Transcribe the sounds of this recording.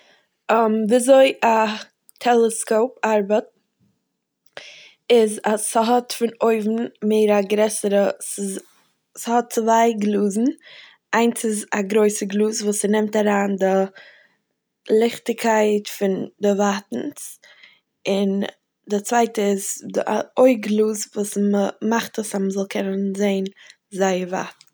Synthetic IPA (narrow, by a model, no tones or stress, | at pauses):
mviːazoɪʔa | tʰɛlˠəskoʊpaɾbət̚ | ɪzasəɦɔtfɪnoɪvn̩meɪɾaɡɾɛsəɾəsɪ | shɔt̚t͡svaɪɡlˠuːzn̩ | ʔaɪnsɪzaɡɾoɪsəɡlˠuːsvuːsənɛmtaɾaːndɪ | lˠɪχtɪkʰaɪtfɪndɪvatn̩s | ɪn | dɪt͡svaɪtəɪza̰ʔoɪɡlˠuːsvuːsməmaχtʰəsaməzɔlˠkʰɛnənzeɪn | zaɪəɾva̰t